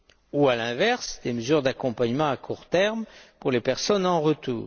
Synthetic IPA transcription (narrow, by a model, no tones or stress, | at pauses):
ualɛ̃vɛʁsd̪eməzyʁd̪akɔ̃paɲmɑ̃akʰuʁt̪ɛʁmpuʁlepɛʁsɔnɑ̃ʁət̪ṵːʁ